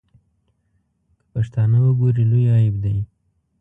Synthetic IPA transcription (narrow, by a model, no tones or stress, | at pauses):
kə̥paʃt̪ɑnawəɡoɾilojɑɪbd̪aj